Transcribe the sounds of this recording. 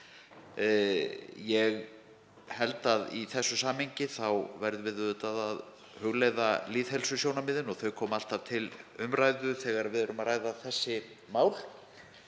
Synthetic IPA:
jɛɣ | hɛlt̪aðiθɛsːʏsaːmheɲcɪθawvɛɾðvɪðʏːt̪aðað | hʏɣleːjðaliːðhɛlsʏsjownamɪːðɪnɔɣθœɥkʰɔːmal̥t̪av̥t̪ʰɪlʏmrajðʏθɛɣaɾvɪðɾʏmaɾaːjðaθɛsːɪ | maːwl̥

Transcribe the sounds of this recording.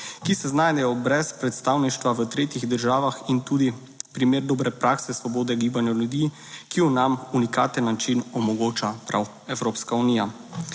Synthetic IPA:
kisɛznajd̪ɛjɔbɾɛspɾɛt̪st̪awniʃt̪ʋaʋət̪ɾeːt̪iɣd̪əɾʒaːʋaxint̪uːd̪i | pɾimeːɾd̪oːbɾɛpɾaːksɛsʋɔboːd̪ɛɡiːbanjaljud̪i | kiɔnamunikaːt̪ənːat͡ʃinɔmɔɡoːt͡ʃapɾaw | ɛwɾoːpskauniːja

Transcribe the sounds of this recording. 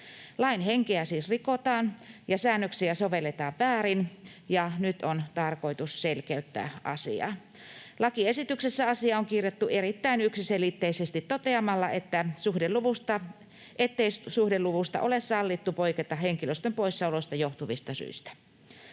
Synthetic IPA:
lɑinheŋkeæsiːsrikot̪ɑːnjɑsæːnːøksiæsoʋelːet̪ɑːʋʋæːrinjɑnyt̪ont̪ɑrkoit̪usselkeyt̪ːæ̰ːʔɑ̰sḭɑ̰ː | lɑkiesit̪yksesːæɑsiɑoŋkirjet̪ːuerit̪ːæinyksiselit̪ːeisest̪it̪tot̪eɑmɑlːɑʔet̪ːæsuhdeluʋust̪ɑ | ʔet̪ːeissuhdeluʋust̪ɑ̰ʔolessɑlːit̪ːupoiket̪ɑheŋkiløst̪ømpoissɑuloist̪ɑjoht̪uʋist̪ɑsy̰ist̪æ̥

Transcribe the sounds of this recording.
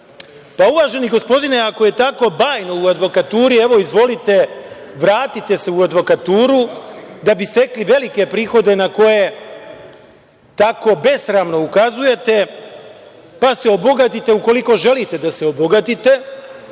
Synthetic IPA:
pauʋaːʒe̞niɡo̞spo̞d̪ineako̞je̞t̪ako̞baːjno̞uad̪ʋo̞kat̪uːɾie̞ʋo̞izʋo̞lit̪e̞ʋɾaːt̪it̪e̞se̞uad̪ʋo̞kat̪uːɾud̪abist̪e̞kliʋe̞like̞pɾiːxo̞d̪e̞nako̞je̞ | t̪ako̞be̞sɾamno̞ukazuje̞t̪e̞ | paseo̞bo̞ɡat̪it̪e̞uko̞liko̞ʒe̞lit̪e̞d̪aseo̞boɡat̪it̪e̞

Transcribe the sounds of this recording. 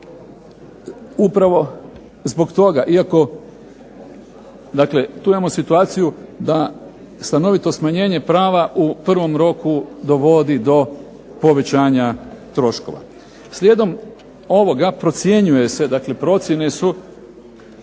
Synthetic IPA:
upɾaʋo̞ | zbo̞ɡt̪o̞ɡaʔiako̞ | d̪akle̞t̪uːimamo̞sit̪uaːt̪sijud̪a | st̪ano̞ʋit̪o̞smaɲe̞ːɲe̞pɾaːʋaʔupr̩ʋo̞mɾo̞kud̪o̞ʋo̞d̪id̪o̞ | po̞ʋe̞t͡ɕaːɲat̪ɾo̞ʃko̞̰ʋa̰ | slʲed̪o̞m | o̞ʋo̞ɡapɾo̞t̪sje̞ɲuje̞se̞d̪akle̞pɾo̞t̪sʲje̞ne̞su

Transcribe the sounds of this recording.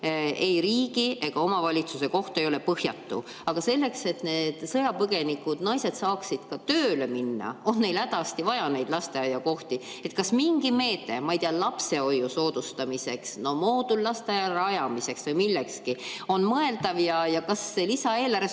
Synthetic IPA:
e̞jɾiːɡ̥iʔe̞ɡ̥ɑo̞mɑvɑlʲit̪suse̞ko̞ht̪e̞jo̞le̞pɤhjɑ̰t̪ːṵ | ɑɡ̥ɑse̞lːe̞kse̞t̪ne̞ːd̪̥sɤjɑpɤɡ̥e̞nikːˑud̪̥nɑjse̞d̪sɑːksid̪̥kɑt̪øːle̞minːɑ̰o̞nːe̞jlæd̪ɑst̪ivɑjɑne̞jd̪̥lɑst̪e̞ɑjːɑko̞ht̪i | e̞t̪kɑsmiŋɡime̞ːt̪ːˑe̞mɑejt̪iɑlɑpse̞o̞jːuso̞ːd̪̥ust̪ɑmise̞ksno̞mo̞ːd̪ulːɑst̪eɑjɑrɑjɑmise̞ksvɤjmilːekskio̞nmɤe̞ld̪ɑvjɑjɑkɑsːe̞lisɑe̞ːlæɾe

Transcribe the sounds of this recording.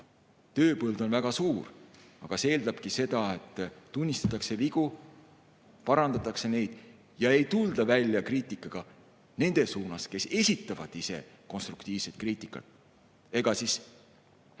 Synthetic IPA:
t̪ø̞ːpɤld̪o̞nvæɡ̥ɑsuːr | ɑɡ̥ɑseeːld̪ɑb̥kise̞d̪ɑe̞t̪ˑːunʲːist̪ɑt̪ːˑɑkse̞viɡ̥u | pɑɾɑnd̪̥ɑt̪ːˑɑkse̞ne̞jd̪̥ | jɑe̞jt̪uld̪̥ɑvælʲːjɑkriːt̪ˑikːˑɑɡ̥ɑ | ne̞nd̪̥e̞suːnɑske̞se̞sʲit̪ːˑɑvɑd̪̥ise̞̰ko̞nst̪rukt̪iːv̥se̞t̪̚kriːt̪ˑikːˑɑ̰t̪ˑ | e̞ɡ̥ɑsis

